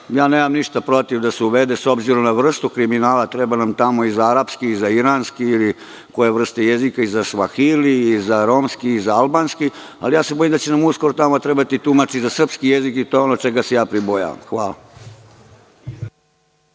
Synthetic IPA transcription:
jaːneːmamniʃt̪apɾo̞t̪iʋd̪aseuʋed̪e̞so̞bziɾo̞mnaʋr̩st̪ukɾiminaːlat̪ɾebanamt̪amo̞izaaɾapskiːzaiɾaːnskiili | ko̞jeʋr̩st̪ejezikaizasʋaxiliːzaɾo̞mskiːzaalbaːnski | a̰lijaːsebojemd̪at͡ɕenamusko̞ɾot̪amot̪ɾe̞bat̪it̪umat͡ʃizasr̩pskijezikit̪o̞jeo̞not͡ʃe̞ɡasejaːpɾiboja̰ʋa̰mxʋaːla̰

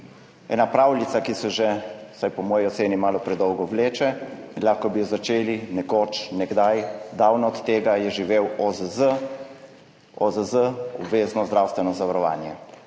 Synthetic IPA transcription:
ɛ̰napɾaːwlit̪sakisɛʒɛsajpɔmɔːjiɔt̪seːnimaːlɔpɾɛd̪ɔwɡɔwleːt͡ʃɛinlaxkɔbijɔzat͡ʃeːlinɛkoːt͡ʃnɛɡd̪ajd̪aːwnɔːt̪t̪ːeːɡajɛʒiʋeːwɔzəzə | ɔzəzəɔ̰bʋeːznɔzd̪ɾaːwst̪ʋɛnɔzaʋaɾɔʋa̰ːnjɛ

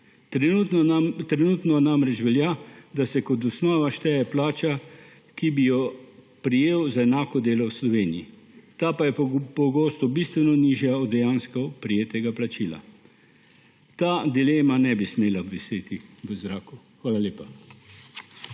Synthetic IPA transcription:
ut̪ɾɛnuːt̪nɔnamɾɛt͡ʃʋɛljaːd̪asɛkɔt̪ɔsnɔːʋaʃt̪ɛjɛplaːt͡ʃa | kibijɔ | pɾijeːwzaɛnaːkɔd̪eːlɔwslɔʋeːnii | t̪aːpajɛpɔɡoːst̪ɔbist̪ʋɛnɔniːʒjaɔd̪d̪ːɛjaːnskɔpɾijeːt̪ɛɡaplat͡ʃiːla̰ | t̪aːd̪ilɛːmanɛbismeːlakɾiseːt̪iʋəzɾaːku | xʋaːlaljeːpa

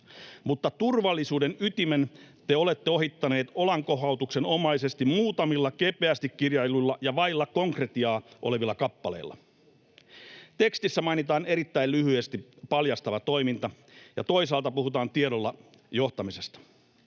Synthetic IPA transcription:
mut̪ːɑt̪urʋɑlːisuːde̞nyt̪iment̪eo̞le̞t̪ːeo̞ɦit̪ːɑne̞ːt̪o̞lɑŋkoɦɑut̪ukse̞no̞mɑjse̞st̪immuːt̪ɑmilːɑke̞peæst̪ikːirjɑjluilːɑjɑʋɑjlːɑko̞ŋkret̪iɑːʔo̞le̞ʋilːɑkɑpːɑlḛilːɑ̰ | t̪e̞kst̪isːæmɑinit̪ɑːne̞ɾit̪ːæillyhyest̪ipɑljɑst̪ɑʋɑt̪o̞jmint̪ɑ | jɑ̰t̪o̞isɑːlt̪ɑpuhut̪ɑːnt̪iedo̞lːɑ | jo̞ht̪ɑmise̞st̪ɑ̥

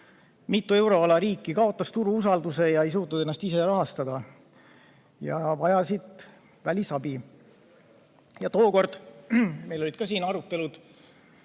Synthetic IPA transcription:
mit̪ːˑue̞wɾo̞ɑlɑɾiːkːˑikɑo̞t̪ːˑɑst̪uɾuusɑld̪use̞jɑe̞js̬uːt̪nud̪e̞nːɑst̪ise̞ɾɑɦɑst̪ɑd̪̥ɑ | jɑvɑjɑsid̪̥ | vælʲisɑbi | jɑt̪o̞ːko̞rd̪̥me̞jlo̞lʲid̪̥kɑsiːnɑɾut̪ːˑe̞lud̪̥

